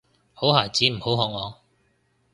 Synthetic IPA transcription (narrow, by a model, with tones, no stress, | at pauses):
ho˨˥wɦaː˨˩jt͡siː˨˥m̩˨˩ho˨˥wɦɔː˨˧˥ŋːɔː˨˧